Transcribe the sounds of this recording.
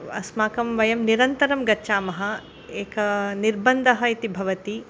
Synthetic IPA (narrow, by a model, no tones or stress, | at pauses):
ɐ̰smaːkɐmʋɐjɐmniɾɐnt̪ɐɾɐmɡɐtːʃaːmɐɦɐ | eːkɐniɾbɐnd̪ʱɐɦɐit̪ibʱɐʋɐt̪i